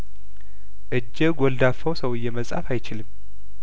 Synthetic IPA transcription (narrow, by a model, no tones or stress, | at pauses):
ʔɨd͡ʒːɨɡɔld̪afəwsəwɨjːɛməsʼa̰fajt͡ʃɪlɨm